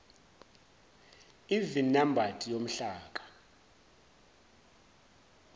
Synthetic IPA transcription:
ivinambʱatʼijom̩ɬaːk̬ʼḁ

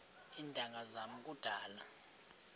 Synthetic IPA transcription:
indʱʼaŋɡʱazamukʼud̥ʱaːla̰

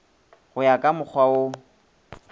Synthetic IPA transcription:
ɣʊjakʼamʊk͡xʰwao

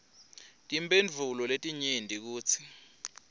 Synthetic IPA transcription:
tʼimbend͡vʱulɔletʼiɲendʱʼik̬uːt͡sʰi̥

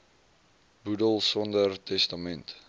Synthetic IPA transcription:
budəlˠsɔndərtɛstamɛnt

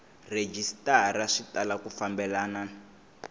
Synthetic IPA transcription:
red͡ʒistaɾaʂitalakufambɛlana

